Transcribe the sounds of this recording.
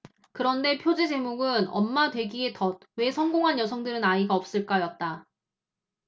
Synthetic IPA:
kɯɾʌnde̞pʰjod͡ʑed͡ʑe̞moɡɯnʌ̰mːadwe̞ɡie̞tʌt̚we̞sʰʌŋɡoŋɦanjʌsʰʌŋdɯɾɯnaiɡaʌp̚s͈ɯɭk͈ajʌt̚t͈a

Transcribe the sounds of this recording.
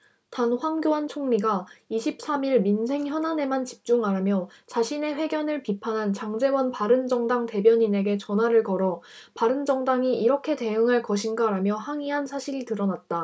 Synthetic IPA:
tanɸwaŋɡjoant͡ɕʰoŋɲiɡaiɕʰip̚s͈amiɭminsʰe̞ŋçjʌnane̞mant͡ɕi̥p̚t͡ɕ͈uŋaɾamjʌ | t͡ɕaɕʰine̞ɸwe̞ɡjʌnɯɭpipʰanɦant͡ɕaŋd͡ʑe̞wʌnpaɾɯnd͡ʑʌŋdaŋte̞bjʌɲine̞ɡe̞t͡ɕʌnɦwaɾɯɭkʌɾʌ | paɾɯnd͡ʑʌŋdaŋiiɾʌkʰe̞te̞ɯŋaɭkʌɕʰinɡaɾamjʌhaŋiɦansʰaɕʰiɾitɯɾʌnat̚t͈a

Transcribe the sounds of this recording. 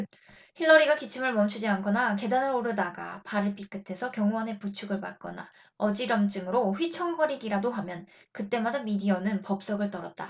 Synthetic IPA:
çiɭːʌɾiɡakit͡ɕʰimɯɭmʌmt͡ɕʰud͡ʑiankʰʌnake̞danɯɾoɾɯdaɡa̰paɾɯɭp͈ik͈ɯtʰe̞sʰʌkjʌŋwʌne̞put͡ɕʰuɡɯɭma̰t̚k͈ʌ̰na̰ | ʌd͡ʑiɾʌmt͡ɕ͈ɯŋɯɾoɸɥit͡ɕʰʌŋɡʌɾiɡiɾadoɦamjʌn | kɯt͈e̞madamidiʌnɯnpʌp̚s͈ʌɡɯɭt͈ʌɾʌt̚t͈a

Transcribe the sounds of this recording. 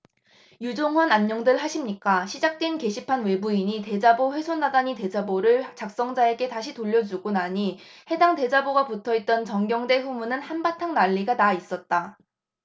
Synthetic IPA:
jud͡ʑoŋɦwʌnanɲʌŋdɯɭɦaɕʰimɲik͈aɕʰid͡ʑak̚t͈wenke̞ɕʰipʰanwe̞buiɲite̞d͡ʑaboɸwe̞sʰonːadaɲite̞d͡ʑaboɾɯɭt͡ɕak̚s͈ʌŋd͡ʑae̞ɡe̞taɕʰitoʎːʌd͡ʑuɡonaɲihe̞daŋte̞d͡ʑaboɡaputʰʌit̚t͈ʌnt͡ɕʌŋɡjʌŋde̞ɸumunɯnhanbatʰaŋnaʎːiɡanais͈ʌt̚t͈a

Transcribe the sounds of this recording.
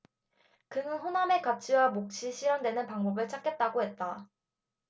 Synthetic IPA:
kɯŋɯnɸoname̞kap̚t͡ɕʰiwamok̚t͡ɕʰiɕʰiɾjaŋdwe̞nɯnpaŋbʌbɯɭt͡ɕʰak͈e̞t̚t͈aɡoɦe̞t̚t͈a

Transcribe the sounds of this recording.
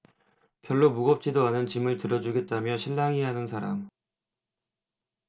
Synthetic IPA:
pjʌɭːomuɡʌp̚t͡ɕ͈idoanɯnt͡ɕimɯɭtɯɾʌd͡ʑuɡe̞t̚t͈amjʌɕʰiɭːaŋiɦanɯnsʰaɾam

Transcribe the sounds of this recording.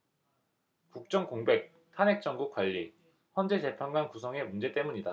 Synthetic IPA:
kuk̚t͡ɕ͈ʌŋkoŋbe̞k̚ | tʰane̞k̚t͡ɕ͈ʌŋɡuk͈waʎːi | çjʌnd͡ʑe̞t͡ɕe̞pʰanɡwankusʰʌŋe̞mund͡ʑe̞t͈e̞muɲida

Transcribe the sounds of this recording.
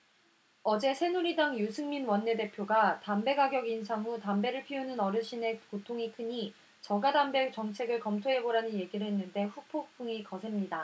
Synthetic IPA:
ʌd͡ʑe̞sʰe̞nuɾidaŋjusʰɯŋminwʌnːe̞de̞pʰjoɡatambe̞ɡaɡjʌɡinsʰaŋɦutambe̞ɾɯɭpʰionɯnʌɾɯɕ͈ine̞kotʰoŋikʰɯɲi | t͡ɕʌɡadambe̞t͡ɕʌŋt͡ɕʰe̞ɡɯɭkʌmtʰoɦe̞ɡoɾanɯnje̞ɡiɾɦe̞nːɯnde̞ɸupʰok̚p͈ɯŋikʌsʰe̞mɲida

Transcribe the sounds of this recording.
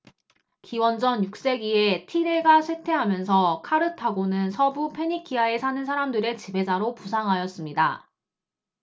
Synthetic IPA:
kiwʌnd͡ʑʌnjuk̚s͈e̞ɡie̞tʰiɾe̞ɡasʰwetʰe̞ɦamjʌnsʰʌkʰaɾɯtʰaɡonɯnsʰʌbupʰe̞ɲikʰiae̞sʰanɯnsʰaɾamdɯɾe̞t͡ɕibʱe̞d͡ʑaɾopusʰaŋɦajʌs͈ɯmɲida̰

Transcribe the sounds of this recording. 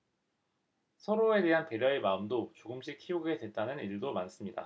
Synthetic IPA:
sʰʌɾoe̞de̞ɦante̞ɾjʌemaɯmdot͡ɕoɡɯmɕ͈ʰikʰioɡe̞dwe̞t̚t͈anɯniɭdomans͈ɯmɲida̰

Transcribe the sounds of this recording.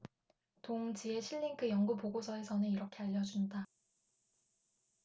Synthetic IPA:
toŋd͡ʑie̞ɕʰiʎːiŋkʰɯjʌŋɡupoɡosʰʌe̞sʰʌnɯniɾʌkʰe̞aʎːʌd͡ʑunda

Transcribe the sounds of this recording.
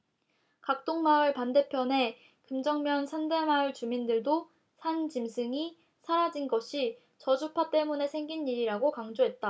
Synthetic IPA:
kak̚t͈oŋmaɯɭpande̞pʰjʌne̞ | kɯmd͡ʑʌŋmjʌnsʰande̞maɯɭt͡ɕumindɯɭdo | sʰand͡ʑimsʰɯŋi | sʰaɾad͡ʑinɡʌɕʰi | t͡ɕʌd͡ʑupʰat͈e̞mune̞sʰe̞ŋɡiniɾiɾaɡokaŋd͡ʑoɦe̞t̚t͈a

